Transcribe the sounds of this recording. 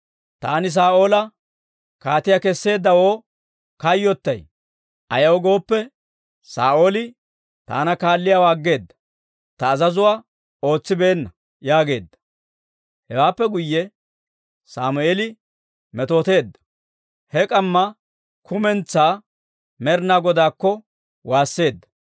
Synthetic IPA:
t̪aːnɪs̬aːʔo̞ːlɐ | kaːt̪ɪjakɛsːe̞ːd̪ːɐwoː | kɐjːɔt̪ːɐj | ʔɐjɐwɔɡo̞ːpːɛ | saːʔoːlɪ | t̪a̰ːnɐkaːlːɪjaːwaːɡːe̞ːd̪ːɐ̥ | t̪ɐːzɐzʊwaː | o̞ːt͡sːɪbe̞ːnːɐ | jaːɡe̞ːd̪ːɐ̥ | hɛwaːpːɛɡʊjːɛ | sa̰ːmʊeːlɪ | mɛt̪o̞ːt̪e̞ːd̪ːɐ̥ | hɛkʼɐmːɐ | kʰʊmɛnt͡sːaː | mɛɾnaːɡɔd̪aːkːɔ | waːsːe̞ːd̪ːɐ̥

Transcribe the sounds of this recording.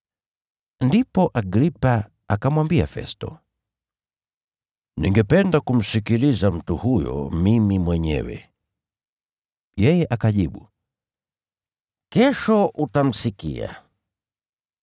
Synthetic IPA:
ndipɔʔaɡɾipa | akamwambia̰fɛ̰stɔ̰ | niŋɡɛpɛndakum̩sikilizam̩tuhujɔ̰mimimwɛɲɛ̰wɛ̰ | jɛjɛʔakaʄiɓu | kɛʃɔʔutam̩sikḭa̰

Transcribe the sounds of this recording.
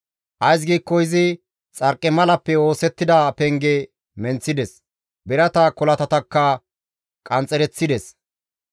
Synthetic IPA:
ʔɐjs̬ɡiːkːɔɪzɪ | t͡sʼɐɾkʼːɛmɐlɐpːɛo̞ːsɛt̪ːɪd̪ɐpɛŋɡɛ | mɛnt͡sːɪd̪ɛs | bɛɾɐt̪ɐkɔlɐt̪ɐt̪ɐkːɐ | kʼɐnt͡sʼɛɾɛt͡sːɪd̪ɛs

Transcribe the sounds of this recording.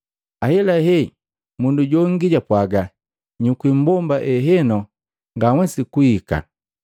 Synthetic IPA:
ahɛlaɦɛ | munduɟɔŋ̩ɡiɟapwaɡa | ɲukwim̩bɔmbaʔɛɦɛnɔ | ŋɡawɛsikuika̰

